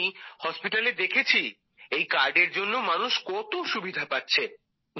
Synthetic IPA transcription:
ihɔspiʈaled̪ekʰet͡ɕʰi | ejkaɾɖeɾd͡ʑonːomanuʃkɔt̪oʃubid̪ʱapatːɕʰe | n

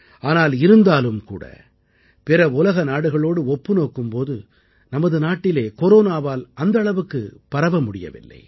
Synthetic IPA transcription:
aːnaːlɪɾɯnd̪aːlɯmkṵːɽɐ̰ | pɛɾɐʊlɐɣɐnaːɽɯɣɐɭoːɽɯɔpːɯnoːkːɯmpoːðɯ | nɐmɐðɯnaːʈːɪleːkɔɾoːnaːʋaːlɐnd̪ɐɭɐʋɯkːɯpɐɾɐʋɐmʊɽɪjɐ̰ʋɪ̰lːɐ̰ɪ

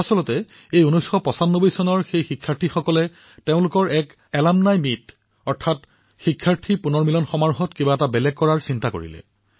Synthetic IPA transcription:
asɔlɔtɛ | ejunujsxɔpɔsanːobɔjsɔnɔɹxejxikʰːaɹtʰixɔkɔlɛ | teʊ̃lʊkɔɹʔɛk | ɛlamnajmit | ɔɹtʰat | xikʰːaɹtʰipunɔɹmilɔnxɔmaɹɦɔtkibaɛtabɛlɛkːɔɹaɹsintako̰ɹḭlɛ̰

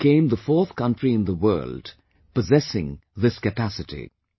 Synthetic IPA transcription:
kẽɪ̃mðəfɔˑθkʌ̃ntɹ̥iɨ̃nðəwɜ̰ːld̥ | pəzɛsɪ̃ŋðɪskɨpæsɨtḭ

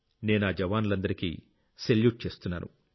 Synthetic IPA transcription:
ne̞ːnaːd͡ʒɐʋaːnlɐnd̪ɐɾikḭː | seljuːʈ̚t͡ʃe̞ːst̪unːa̰ːnṵ

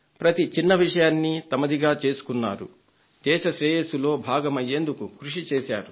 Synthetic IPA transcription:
pɾɐt̪it͡ʃinːɐʋiʂɐjaːnːit̪ɐmɐd̪iɡaːt͡ʃe̞ːsu̥kunːa̰ːɾṵ | d͡ʒ̪ɛːʃɐʃɾɛːjesulo̞ːbʱaːɡɐmɐjːe̞ːnd̪ukukɾuʂit͡ʃeːʃaːɾu

